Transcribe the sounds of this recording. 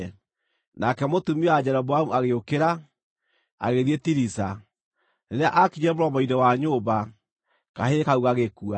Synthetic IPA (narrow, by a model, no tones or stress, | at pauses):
nakɛmotumiad͡ʑɛɾɔbwamuaɣeokeɾa | a̰ɣeðietiɾisa | neɾeaʔakiɲɛmoɾɔmɔidɛwaɲoːβa | kaɦeɾekauɣaɣekua